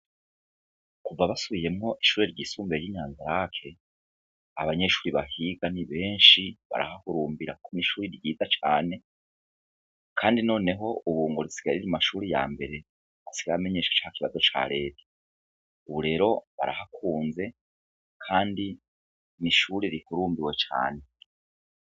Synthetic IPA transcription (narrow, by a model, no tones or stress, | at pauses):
kuvaβasuβije̞mŋo̞ʔiʃuːɾe̞ɾɟiːsuːmbeɾjiɲaːnzaɾakʰe̞ | aβaɲe̞ʃuːɾiβahiɡaniβe̞ːɲʃiβa̰ɾa̰hahuɾuːmbiɾa̰kʰoniʃuːɾiɾɟiːzat͡ʃaːne̞ | kʰaːndino̞ːne̞ɦo̞ʔuβuːŋɡoɾisi̥ɡ̥aɾiɾimaʃuːɾija̰ːmbe̞ɾe̞ | asiɡaame̞ɲeːʃḁt͡ʃahakiβazo̞t͡ʃa̰ɾe̞ːtʰḁ | uβuɾe̞ɾo̞βa̰ɾahakʰuːnze̞ | kʰaːndi | niʃuɾeɾikuɾuːmbiwe̞t͡ʃa̰ːne̞